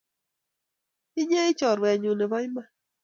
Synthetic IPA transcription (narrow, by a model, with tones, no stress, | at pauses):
i˦ɲe˦i˦t͡ʃɔ˨ɾwɛ˨ɲu˨nɛ˨ba˦ɲjma˦